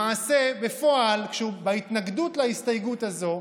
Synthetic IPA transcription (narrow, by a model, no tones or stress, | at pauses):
aːse̞befo̞alkʃeubait̪naɡdutlaist̪ajɡutazo̞